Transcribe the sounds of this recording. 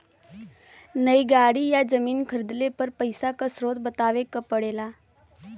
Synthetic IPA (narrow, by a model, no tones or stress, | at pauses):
nəjɡaɽijad͡zəmiːnkʰəɾd̪lepəɾpəjsakasɾot̪̚bət̪aʋekəpəɽela